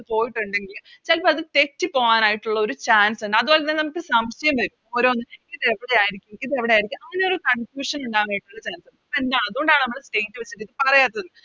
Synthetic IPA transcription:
ɐɨpo̞ːjiʈːuɳɖe̞ŋɡil | t͡ɕɐlpːɐɐðɨt̪e̞k̚tːɨpo̞ːʋaːnaːjiʈːuɭːɐo̞ɾut͡ɕaːnseɳːɖɐðuʋoːlenːeːnɐmːukʲːɨsɐmʂɐjɐmʋɐɾumo̞ːɾo̞ːnːɨkiðeʋiɽe̞aːjiɾikʲːukiðe̞ʋiɽeaːjiɾikʲːumɐŋːɐneo̞ɾukɐɳfjuːʂɐnuɳɖaːnaːjiʈːuɭːɐt͡ɕaːnseɳɖend̪aːɳɐðuɣoɳɖaːɳɨnɐmːɐɭsʈe̞jntːɨʋet͡ɕːiʈːikːɨpɐrɐjaːt̪ːɐðɨnːɨ

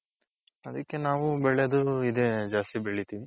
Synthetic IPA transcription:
ɐd̪ɐkːe̞naːʋubɛɭed̪uid̪ed͡ʒaːst̪ibeɭit̪iːʋi

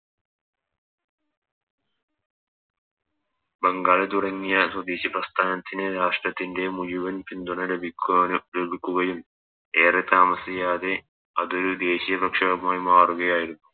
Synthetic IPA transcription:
beŋɡaːɭɐt̪̬uɽɐŋːijɐswɐd̪eːɕiprɐst̪ʰaːnɐt̪ːineɾaːʂʈrɐt̪ːinde̞mujuʋɐnpind̪uɳɐɾbʱikːɾobʱikʲːuɣɐjum | eːret̪aːmɐsɐjaːðe̞ | ɐðo̞ɾud̪e̞ːɕijɐbɐkʂɐɣɐmaːjmaːruɣɐjaːjiɾunːu

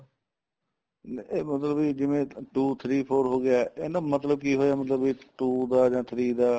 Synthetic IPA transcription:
eːmət̪ləbiːd͡ʒɪʋẽːʈuːt̪ʰɾiːpʰoːɾɦoːɡɪjaːʔeːnãːmət̪ləb̚kiːɦoːjaːmət̪ləbiːʈuːd̪aːd͡ʒãːt̪ʰɾiːd̪aː

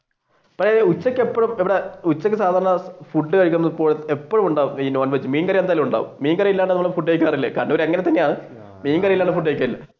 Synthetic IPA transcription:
pɐkʂeut͡ɕːɐkʲːɨepːɐɻumiʋiɽeut͡ɕːɐk̬ʲːɨsaːd̪ʱaːɾɐɳɐfuɖːɨkɐɻik̬ʲːunːɐðipːo̞ːɭepːɐɻumuɳɖaːʋumiːnoːnbɐt͡ɕːɨmiːnkɐrjɐend̪ajɐlumuɳɖa̰ːʋṵmmiːnkɐrijilːaːɳɖɨnmːɐɭfuɖːejkʲːaːrilːɐ̰kaːnːeːɾɐŋːɐnet̪ːɐnːejaːɳɨ | miːnkɐrijilːaːɳɖɨfuɖːek̬ʲːaːɾilːɐ̰

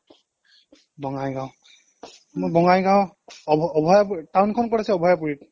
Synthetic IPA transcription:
bɔŋajɡaw | mobɔŋajɡawʱː | bʱɔjaptawnkʰɔnkɔɹasɛɔbʱɔjapuɹit̚

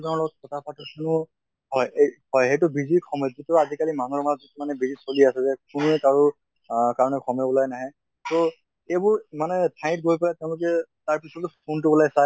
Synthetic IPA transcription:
zaɔlɔɡɔt̚kɔtʰapʰatɔkʰunʊ | hɔjhɔjɦejtubizikʰɔmɔjzitazikalimanɔɹmaɔzitumanɛbizisoliasɛzɛkuniɛkaɹu | kaɹɔnɛkʰɔmɛbɔlajnaɦɛ | tɔ | ebʊɹimanɛtʰãt̚ɡojpalatɛʊ̃lʊk̬ɛtaɹpisɔtpʰontubɔlajsa

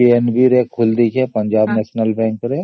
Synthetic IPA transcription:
ienbiɾeːkʰʊld̪ikʰɛpɐ̃ɲd͡ʒaːbnɛːʃnəlbɛ̃ːŋkəɾe

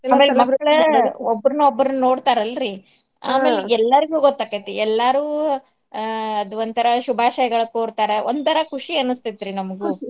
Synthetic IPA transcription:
aːmeːlemɐɡɐɭobːɐɾunuobːɾununo̞ːɽt̪aːɾɐlːɾiː | a̰ːmeleɛlːɐɾiɡuːɡot̪ːɐkːɐt̪eɛlːaɾuː | ɐd̪ʋɐnt̪ɐɾɐʃubʱaːʃɐjɐɡɐɭɐkoːɾt̪aːɾeʔond̪t̪ɐɾɐkuʂiɐnːust̪it̪ːɾinɐmɐɡu

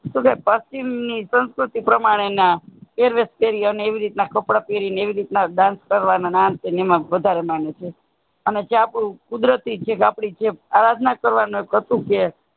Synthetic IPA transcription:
ʃũkapəst͡ʃimnisə̃nskɾut̪ipɾəmaɽ̃enakeɾʋespeɾiəneeʋiɾit̪nakəpɽapeɾineeʋiɾit̪nad̪ãnskəɾʋananant̪enemãʋəd̪ʱaɾemanet͡ʃʰe | ənet͡ʃapɽũkud̪ɾət̪it͡ʃʰekapɽit͡ʃʰeaɾad̪nakəɾʋanũekɦət̪ũke

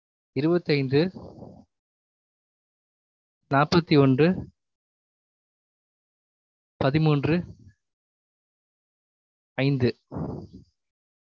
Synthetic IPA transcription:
ɪɾɯbɐt̪ːɐɪnd̪ɯ | naːpɐt̪ːiɔndrɯ | pɐðɪmuːndrɯ | ɐɪnd̪ɯ

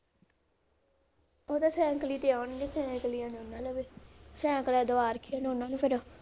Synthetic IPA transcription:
oːt̪aːsɛ̃ːkəliːt̪eːaːnɡeːsɛ̃ːkəliːãːnoːnːãːləʋeːsɛ̃ːkəlɛːd̪oaːɾəkʰːiãːnoːnːãːnũːpʰɪɾo

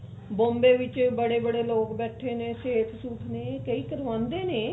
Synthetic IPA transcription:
bõːmbeːʋɪt͡ʃbəɽeːbəɽeːloːkbɛːʈʰeːneːseːt̪ʰsuːʈ̪ʰneːkəiːkəɾʋãːnd̪eːneː

